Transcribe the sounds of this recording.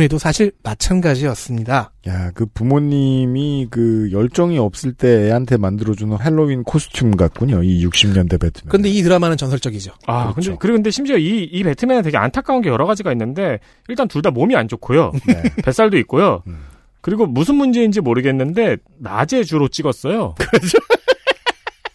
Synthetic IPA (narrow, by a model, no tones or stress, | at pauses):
nedosʰaɕʰiɭmat͡ɕʰanɡad͡ʑiʌs͈ɯmɲidajakɯpumoɲːimikɯjʌɭt͡ɕ͈ʌŋiʌp̚s͈ɯɭt͈e̞ːɦantʰe̞mandɯɾʌd͡ʑunɯnɦe̞ɭːoinkʰosʰɯ̥tʰumɡak͈uɲoijuk̚ɕ͈imɲʌnde̞betʰɯ̥mjkɯnde̞itɯɾʌmanɯnt͡ɕʌnsʰʌɭt͡ɕ͈ʌɡid͡ʑoakɯndekɯɾiɡkɯnde̞ɕʰimd͡ʑioiːpe̞tʰɯmjenantwe̞ɡea̰ntʰak͈ʰaunɡe̞jʌɾʌɣad͡ʑiɡainːɯnde̞ | iɭt͈antuɭdamomiand͡ʑokʰojo̰epe̞s͈aɭdoik̚k͈ojo | kɯɾiɡomusʰɯnmund͡ʑe̞ind͡ʑimoɾɯɡe̞nːɯnde̞ | na̰d͡ʑe̞t͡ɕuɾot͡ɕ͈iɡʌs͈ʌjokd͡ʑo